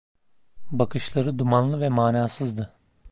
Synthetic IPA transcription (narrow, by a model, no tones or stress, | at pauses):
bakɯʃlˠaɾɯd̪umanlˠɯvɛmaːnaːsɯzd̪ɯ